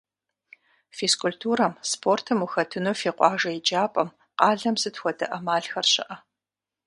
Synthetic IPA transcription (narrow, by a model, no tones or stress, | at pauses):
feskʊltʰuːɾɐmspʰortʰɨmuxɐtʰɨnoːfeːqʷʼɑːʒɐjɪd͡ʒaːpʼɐm | qɑːɮɐmzɨtʰxʷɔdɐ̰ʔɐmaːɮxɐrɕɪ̰ʔɐ